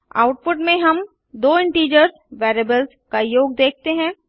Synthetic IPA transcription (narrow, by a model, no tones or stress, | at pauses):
a̰ːʊʈ̚pʊʈmẽɦɐm | d̪oːɪ̃ɳʈiːd͡ʒəɾz | ʋɛːɾeːbəlz | kajoːɡ̚d̪eːk̚ʰt̪eɦɛ̃ː